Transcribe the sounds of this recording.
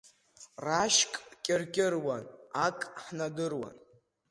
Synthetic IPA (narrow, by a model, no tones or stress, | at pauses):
raʃkʼkʲʼɪrkʲʼɪrwanakʼħnadɨrwa̰n